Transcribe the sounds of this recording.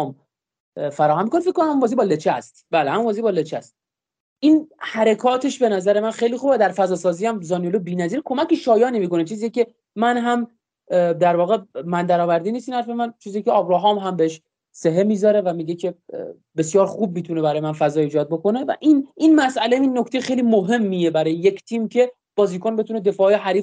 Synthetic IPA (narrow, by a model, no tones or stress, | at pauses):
m | fæɾɒːhæmːikonefekːonæmhæmumbɒːzibɒlet͡ʃʰæst̪b̥æːlehæmumvɒːzibɒːlet͡ʃʰæst̪̚ | ʔiːnhæɾekʰɒːt̪ʰe̞ʃbe̞næzæɾe̞mænxejliːxubæd̪æɾfæzɒːsɒːziːæmzɒːnijolobiːnæziːɾkʰo̞mæceʃɒːjɒːnimiːko̞net͡ʃʰiːzijece̞ | mænɦæm | d̪æɾvɒːɣe̞mænd̪æɾɒːvæɾd̪iːniːst̪iːnhæɾfe̞mænt͡ʃʰiːzijecʰe̞ɒːbɾɒːɦɒːmɦæmbeeʃ | seɦe̞miːzɒɾe̞væmiːɟecʰe̞ | be̞sjɒːɾxuːb̚miːt̪ʰunebæɾɒːjemænfæzɒːiːd͡ʒɒːd̪̚bo̞ko̞ne̞væ̰ʔininmæsʔæleminːocʰt̪e̞jexejlimoɦe̞mːije̞bæɾɒːjeject̪ʰiːmcʰe̞ | b̥ɒːziːkʰonbe̞t̪ʰuned̪e̞fɒːjeɦæɾiːf